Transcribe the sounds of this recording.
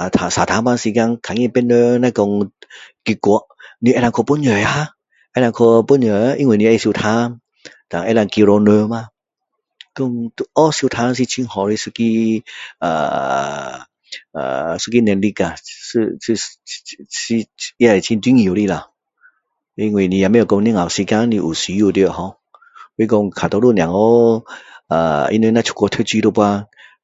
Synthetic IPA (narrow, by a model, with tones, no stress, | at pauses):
a˨t̪ʰa˨˧˨sa˨t̪ʰa˧˦ma˧nsi˧ka˧ŋkʰa˨ŋĩ˧˨pɛ˧nə˧nã˧kɔ˧ŋki˧ku˨˧ə˦ʔni˧ɛ˧˦ɾa˧kʰo˧pu˧˥nɲə˨˩ja˧˦ | ʔɛ˧˦˧la˧kʰo˧pu˧nɲə˨a˧ʔi˧ŋwi˨nĩ˧e˧si˧t̪ʰa˧n | t̪a˨ŋʔɛ˧˨la˧ŋki˧ɾo˧nə˧ma˧ | kɔ˧ŋt̪u˧ʔɔ˦si˧t̪ʰa˧s̬i˧t͡ɕʰi˧nhɔ˨˧ɾi˧˨su˧ki˧ | a̰˨˩ | a̰˨su˦˧kːi˦nɛ˧nli˦˧ka˨˧sɨ˧si˧ | i˧˦a˧˨e˨t͡ɕʰi˧nt̪̬wi˦ŋ˧i˨ɾi˧˨la˨˩ | i˧ŋwi˧˨nĩ˧ja˨˧mẽ˦˧ɔ˨kɔ˧ŋ˧nĩ˧ŋa˨˩˨si˧ka˦ŋnĩ˧ʔu˨˩si˧˦ju˧˨t̪jo˧˨hɔ̃˧˦ | we˦k̬ɔ˧ŋkʰa˨t̪ɔ˧lu˥˧˨njã˨ŋo˦ | a̰˨˩ḭ˧ntwe˧nã˧t͡ɕʰu̥˧kɔ˧t̪ʰe˦t͡ɕi˧˦t̪o˧pwa˧